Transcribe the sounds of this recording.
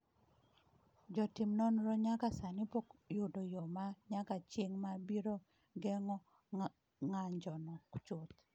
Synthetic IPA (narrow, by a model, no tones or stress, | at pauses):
d͡ʒɔtimnɔnɾɔɲakasanipokjʊdɔjɔmaɲakat͡ʃeŋmabiɾo | ɡɛŋɔ | ŋaɲd͡ʒɔnɔkt͡ʃʊt̪